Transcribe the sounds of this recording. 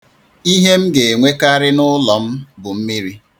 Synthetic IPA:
i˦ɦe˦m̩˦ɡe˨ŋʷe˦ka˦ɾɪ˦nʊ˦lɔ˨m̩˦bʊ˨m̩˦mi˦ɾi˦

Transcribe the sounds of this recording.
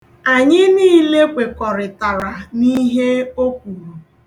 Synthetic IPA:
a˨ɲɪ˦niː˦le˦kʷe˨kɔ˨ɾɪ˨ta˨ɾa˨ni˦ɦe˦o˦k̚ʷu˨ɾu˨

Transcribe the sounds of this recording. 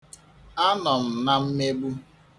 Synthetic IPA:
a˦nɔ˨m̩˨na˦m̩˦me˦ɡ͡bu˦

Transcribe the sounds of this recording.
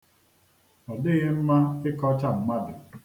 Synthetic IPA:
ɔ˨dɪ˦ɣɪ˦m̩˦ma˦ɪ˦kɔ˦t͡ʃa˦˨m̩˦ma˦dʊ˨

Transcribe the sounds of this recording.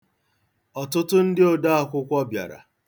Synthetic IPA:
ɔ˨tʊ˦tʊ˦n̩˦dɪ˦o˨da˦a˦kʷʊ˦kʷɔ˦bja̰˨ɾa̰˨

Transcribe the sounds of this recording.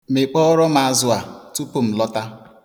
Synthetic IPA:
me˨k͡pɔ˦ɾɔ˦ma˨a˨˦zʊ˦a˨tu˦pu˦m̩˨lɔ˦ta˦

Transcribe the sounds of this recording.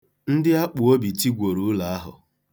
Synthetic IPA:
n̩˦dɪ˦a˦k͡pʊ˨o˦bi˨ti˦ɡʷo˨ɾu˨˦la˨a˦ɦʊ̰˨

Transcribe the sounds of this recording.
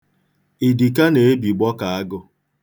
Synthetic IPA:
i˨di˨ka˦ne˨e˦bi˨ɡ͡bɔ˦ka˨a˦ɡʊ˦

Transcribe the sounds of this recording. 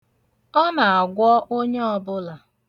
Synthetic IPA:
ɔ˦na˨a˨ɡʷɔ˦ʔo˦ɲe˦ɔ˨bʊ˦la˨

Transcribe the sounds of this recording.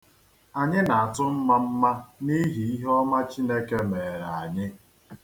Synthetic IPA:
a˨ɲɪ˦na˨a˨tʊ˦m̩˦ma˦m̩˦ma˦ni˦ɦi˨i˦ɦɔ˦ma˦t͡ʃi˦ne˦ke˦me˨ɾa˨ɲɪ˦

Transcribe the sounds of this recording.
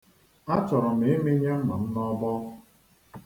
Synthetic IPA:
a˦t͡ʃɔ˨ɾɔ˨m̩e˨˦me˦ɲe˦m̩˦ma˨n̩˦nɔ˦bɔ˦

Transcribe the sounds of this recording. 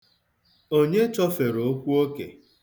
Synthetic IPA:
o˦ɲe˦t͡ʃɔ˦fe˨ɾo˨o˦kʷu˦o˦kḛ˨

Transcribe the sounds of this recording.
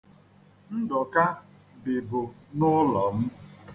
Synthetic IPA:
n̩˦dɔ˨ka˦ | bɪ˨bʊ˨nʊ˦lɔ˨m̩˦

